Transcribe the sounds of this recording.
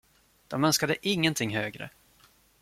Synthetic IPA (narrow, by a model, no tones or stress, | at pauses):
d̪̥ɔmœnskad̪əʔɪŋːənt̪ʰɪŋːɦøːɡɾə̰